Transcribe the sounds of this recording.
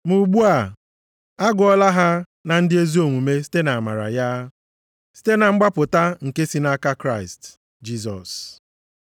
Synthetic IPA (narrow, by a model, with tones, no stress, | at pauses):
mu˨ɡ͡bu˦a˨ | a˦ɡʊ˨˦ɔ˦la˦ɦa˦ | na˨n̩˦dɪ˦e˦zi˦o˨mu˨me˦si̥˦te˦na˨ma̰˨ɾa̰˨ja˦ | si̥˦te˦na˨ŋ͡m̩˦ɡ͡ba˦pʊ˨ta˦ŋ̩˨ke˦si˦na˦ka˦kɾa˦˨ɪ˨st | d͡ʒi˦sɔ̰˨s